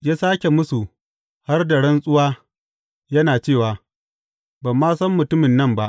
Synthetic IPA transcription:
jaː˦saː˦kʲe˨mʊ˦su˨ | ha˦rda˨ɽɐ˦nsʼʊ˦waː˦ | jɐ˦naː˨t͡ʃeː˦˨waː˨ | ba˨mːaː˦sɐ˦mːʊ˨tʊ˦mɪ˨nːɐ˦mba˦ʔ

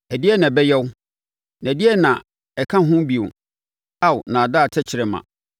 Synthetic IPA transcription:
æ˨di˦ɛ˦nã˨bɛ˦jɛ˦w | nã˨di˦ɛ˦nã˨ | ɛ˨kʰã˦ɦʊ̃˦bi˨o̰˨ | a˦˨wnã˨a˨da˦˨tʰɛ˦t͡ɕʰɪ˨ɾɛ˨mã̰˨

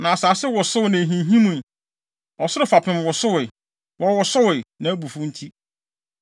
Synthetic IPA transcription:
nã˨saː˨sɛ˦wɔ˨sʊ˦wnã˨ɦĩ˨ɦĩ˦mũ˨ | ɔ˨sʊ˦ɾʊ˨˦fa˨pʰɪ̃˨mwɔ˨sʊ˦wɪ˨ | wɔ˦wɔ˨sʊ˦wɪ˨nã˨æ˦bu˨fʊ̃˦n̩˦tʰi˦

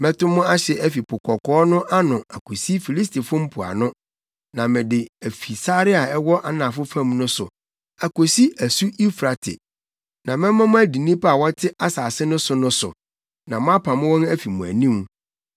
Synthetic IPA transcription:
mɛ̃˦tʊ˦mʊ̃˦a˦ɕɛ˨ʔæ˦fi˨pʰʊ˨kʰɔ˨kʰɔː˦nʊ̃˦ʔa˦nʊ̃˨a˨kʰo˨si˦fi˨li˦s̬tʰi˨fʊ̃˦m̩˦pʰʊ˨a̰˨nʊ̃˦ | nã˨mɪ̃˨dɪ˨æ˨fi˨sa˦ɾɪ˦a˨ɛ˦wɔ˦ʔa˦nã˨fʊ˦fã˦˨mnʊ̃˦sʊ˨ | a˨ko˨si˦æ˨su˦ʔi˦fɾa˨tʰɪ̰˨ | nã˨mɛ̃˦mã˦mʊ̃˦æ˦di˨nĩ˦pʰa˨wɔ˦tʰɪ˦ʔa˦saː˨sɪ˦nʊ̃˦sʊ˨nʊ̃˦sʊ̰˨ | nã˨mʊ̃˦a˦pʰã˨mʊ̃˦wɔ̃˦næ˦fi˨mʊ̃˨æ̰˨nĩ˦m˦

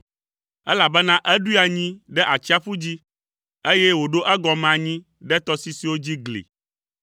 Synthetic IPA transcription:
ɛ˦la˨bɛ˦nã˦ʔɛ˦ɖu˦i˦a˨ɲĩ˦ɖɛ˦ʔa˨t͡ɕi˦a˦ɸu˦d͡ʑi˦ | e˦jɛ˦wo˨ɖo˦ʔɛ˦ɡɔ˨mɛ̃˨a˨ɲĩ˦ | ɖɛ˦t̪ɔ˦si˦si˨wo˦d͡ʑi˦ɡlḛ˨

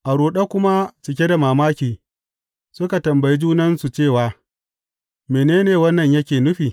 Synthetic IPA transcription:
ʔa˨ɾuː˨ɗa˦kʷʊ˦ma˦t͡ʃɪ˨k̬ʲe˦da˨maː˨maː˦kʲiː˨ | sʊ˦ka˨tɐ˨mbɐ˨ji˦d͡ʒuː˦nɐ˦nsu˨t͡ʃeː˦˨waː˨ | meː˨neː˦neː˨wɐ˦nːɐ˨ɲjɐ˦kʲeː˨nʊ˦ɸiː˨

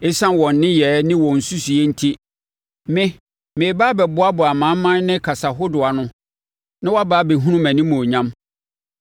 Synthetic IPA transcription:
e˦sã˦n˨wɔ̃˨nː˨˦ɪ̃˦jɛ˨˦nɪ̃˦wɔ̃˨n̩˨su˦su˨e˦n̩˦tʰi˦ | mɪ̃˦ | mɪ̃˨baː˦bɛ˨bʊ˦a˦bʊ˨a˨mã˨˦m˦mːã˦n˦nɪ̃˦kʰa˨sa˨ɦʊ˦dʊ˨a˨nʊ̃˦ | nã˦wa˦baː˨˦be˨ɦũ˦nũ˦mæ̃˨nĩ˦mʊ̃˨o˨ɲã˦m

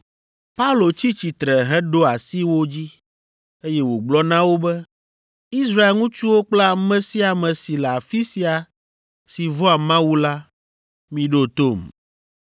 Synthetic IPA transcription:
pa˦u˦lo˨t͡ɕi˦t͡ɕi˨t̪ɾɛ˨ɦɛ̃˦ɖo˦a˨si˦wo˦d͡ʑi˦ | e˦jɛ˦wo˨ɡ͡blɔ˦nã˦wo˦bɛ˦ | i˦sɾa˦e˨lŋũ˦t͡ʃu˦wo˦k͡pla˨mɛ̃˦si˦a˨mɛ̃˨si˨la˨fi˦si˦a˨ | si˨vɔ˦a˨mã˦wu˦la˦ | mĩ˦ɖo˦t̪o˦˨m

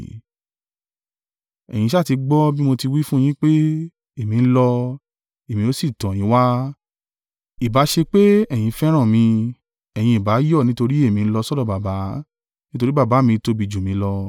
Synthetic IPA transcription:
ɛ˨j̃ĩ˧ʃa˦˨ti˧ɡ͡bɔ˦bi˦mo˧ti˧wi˦fũ˦˧j̃ĩ˦k͡pe˦ | e˦˨mĩ˧n̩˦lɔ˧ | e˨mĩ˧o˦si˦˨tɔ̃˨jĩ˨˦wa˦ | i˨ba˨˦ʃe˧k͡pe˦ɛ˦˨j̃ĩ˧fɛ˦ɾ̃ã˦˨mĩ˧ | ɛ˨j̃ĩ˧i˨ba˨˦jɔ˦˨nĩ˦to˧ɾi˦e˦˨mĩ˧˦lɔ˧sɔ˦dɔ˦˧˨ba˨ba˨˦ | nĩ˦to˧ɾi˦ba˦˨ba˨˦mĩ˧to˧bi˧˨d͡ʒu˨mĩ˨˧˦lɔ˧

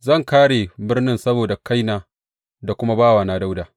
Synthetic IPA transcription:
zɐ˦˨ŋkaː˦ɽeː˨bɪ˦rnɪ˦nsɐ˦boː˨da˨ka˦jnaː˨ | da˨kʷʊ˦ma˦baː˦˨waː˨naː˨˦da˦wdaː˨

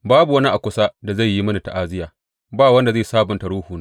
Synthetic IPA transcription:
baː˦bu˨wɐ˦ni˦ʔa˨kʷʊ˦sa˦da˨za˦˨jːi˦mɐ˦ni˨ta˨ʔaː˦zɪ˦jaː˨ | baː˦˨wɐ˦nda˨zeː˦˨saː˦bʊ˨ntɐ˨ɽuː˦huː˨ne˦

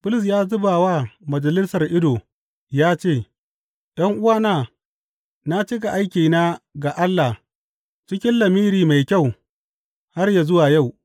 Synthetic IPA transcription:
b̥ʊ˦lʊ˨s̬jaː˦zʊ˦baː˨waː˦mɐ˨d͡ʒɐ˨lɪ˦sɐ˨rʔɪ˦doː˨ | jaː˦t͡ʃeː˦˨ | ɗɐ˦ŋʔʊ˦waː˦naː˦˨ | na˦t͡ʃɪ˦ɡa˨ʔa˦jkʲiː˨na˦ɡa˨ʔa˦lːa˨ | t͡ʃɪ˦kʲɪ˦nlɐ˨miː˦ɾiː˨ma˨jkʲa˦˨w | ha˦rja˨zʊ˦waː˨ja˦˨w

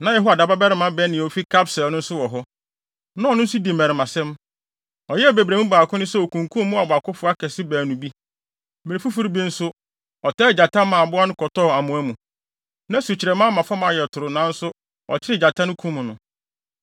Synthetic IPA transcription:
nã˨jɛ˦ɦu˦a˨da˨ba˦bɛ˦ɾɪ˨˦mã˨˦bɛ˦nɪ̃˨ɔ˨fi˦kʰa˦psɛ˨lnʊ̃˦n̩˦sʊ˦wɔ˨ɦɔ˦ | nʊ̃˦˨nʊ̃˦n̩˦sʊ˦di˨mɛ̃˨ɾɪ˨mã˨sɛ̃˦m | ɔ˨jɛ˦˨be˨bɾe˨mũ˦baː˨kʊ̃˦nʊ̃˦sɛ˦o˨kʰũ˨ŋkʰũ˦mʊ̃˦a˨bʊ˨a˨kʊ˦fʊ˦a˦kʰɛ˨sɪ˦bæː˨nũ˨bi˦ | mɛ˨ɾi˨fu˦fu˦ɾi˦bi˦n̩˦sʊ˦ | ɔ˨tʰɛː˦˨d͡ʑa˨tʰã˦mã˨a˨bʊ˦a˦nʊ̃˦kʰɔ˨tʰɔ˦˨a˨mʊ̃˨˦æ˦mũ˨ | nã˦su˨t͡ɕʰɪ˨ɾɛ˨mã˦mã˨fɔ˦mã˨jɛ˨tʰʊ˨ɾʊ˨nã˨˦n̩˦sʊ˦ | ɔ̰˨t͡ʃt͡ɕʰɪ˦ɾɪ˦d͡ʑa˨tʰã˦nʊ̃˦kʰũ˦mʊ̃˨nʊ̃˨

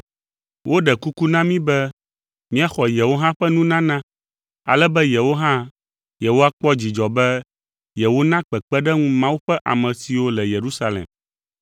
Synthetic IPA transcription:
wʔo˦ɖɛ˨ku˦ku˦nã˦mĩ˦bɛ˦ | mĩ˦a˨xɔ˨jɛ˨wo˦ɦã˦ɸɛ˦nũ˦nã˦nã˦ | a̰˨lɛ˦bɛ˦je˨wo˦ɦã˦ | je˨ɦo˦a˦k͡pɔ˦d͡ʑi˨d͡ʒɔ˨bɛ˦ | jɛ˨wo˦nã˦k͡pɛ˨k͡pɛ˦ɖɛ˦ŋũ˦mã˦wu˦ɸɛ˦ʔa̰˨mɛ̃˨si˨wo˦lɛ˨je˨ɾu˦sa˦lḛ˨m

